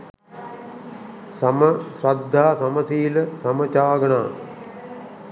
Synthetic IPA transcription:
sɐməsɾɐd̪ʱːaːsɐməsiːləsɐmət͡ʃaːɡɐnaː

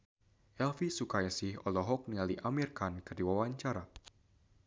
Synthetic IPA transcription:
ʔɛlfisukajasɪhɔ̰lɔɦɔk̚nialiʔamirkankərdiwawaɲt͡ʃaɾa

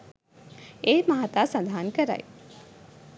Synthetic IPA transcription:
ejmaɦat̪aːsand̪ʱaɦankəɾa̰j

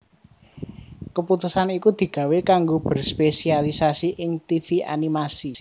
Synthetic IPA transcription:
kəput̪usanikud̪̥i̤ɡ̥ä̤wekaŋɡob̥ə̤rspesialisasiʔɪŋt̪ifia̰nimasi

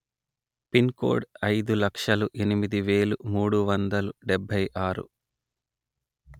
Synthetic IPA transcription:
pinko̰ːɖɐjd̪ulɐkʂɐluʔenimid̪iʋe̞ːlumuːɽuʋɐnd̪ɐluɖɛbʱːɐjʔaːɾṵ

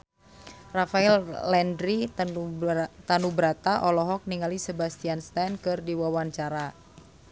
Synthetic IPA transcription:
rafaɛllɛndɾi | t̪anubɾat̪aʔɔlɔɦɔk̚niŋalisebast̪ianst̪ɛnkɨrdiwawaɲt͡ʃaɾa

